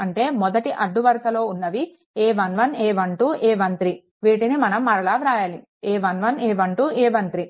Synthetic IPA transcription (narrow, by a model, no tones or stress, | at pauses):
ɐɳʈe̞ːmɔd̪ɐʈiʔɐɖːuʋɐɾɐsɐlo̞ːunːɐʋi | eːʋɐnʋɐneːʋɐɳʈuːʔeːʋɐnt̪ɾi | ʋiːʈinimɐnɐmːɐɾɐɭaːʋɾaːjaːli | eːʋɐnʋɐneːʋɐɳʈuːeːʋɐnt̪ɾi